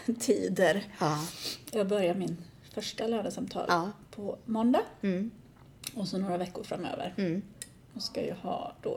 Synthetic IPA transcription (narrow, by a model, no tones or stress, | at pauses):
t̪ʰiːd̪əɾ | jɑːɡ̚bœɾjamɪn | fœʂʈalœːɳəsamt̪ʰɑ̰ːlpʰɔmɔnd̪ɑ | ɔsɔnoːɾavɛkːʊɾfɾa̰mːø̰ːvə̰ɾ | ɔskajɑ̰hɑ̰ːd̪̥ɔ